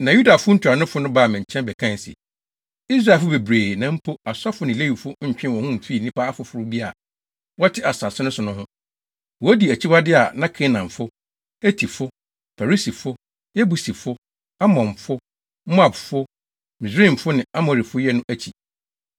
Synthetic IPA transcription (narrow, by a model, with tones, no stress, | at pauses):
nã˨ju˦da˨fʊ˦n̩˦tʰʊ˨ɾa˨nʊ̃˦fʊ˦nʊ̃˦baː˦˨mɪ̃˨ɲ̩˨t͡ɕʰɛ̃˦nbɛ˨kʰã˦n˨sɛ̰˨ | i˦s̬ɾa˨fʊ˦be˨bɾeː˨nã˨m̩˦pʰo˦a˨sa˦fʊ˦nɪ̃˨le˦wi˨fʊ˦ɲ̩˨t͡ɕᶣɪ̃˦wɔ̃˨hʊ̃˦m̩˨fi˦˨nĩ˦pʰa˦a˦fʊ˨fʊ˨ɾʊ˦bi˦a˨ | wɔ˦tʰɪ˦a˨sa˨sʊ˦nʊ̃˦sʊ˨nʊ̃˦ɦʊ̃˦ | wɔ˨æ˦di˨æ˨t͡ɕʰi˦bwa˦dɪ˦a˨nã˦kʰe˦nã˨ɱ˨fʊ˦ | æ˦tʰi˨fʊ˦ | fa˨ɾi˦si˨fʊ˦ | jɛ˦bu˨si˨fʊ˦ | a˦mɔ̃˨m˨fʊ˦ | mʊ˦a˨bfʊ˦ | mɪ̃˨s̬ɾĩ˦˨m̩˨fʊ˦nɪ̃˨a˦mɔ˨ɾi˨fʊ˦jɛ˦nʊ̃˦ʔæ˦t͡ɕʰi˨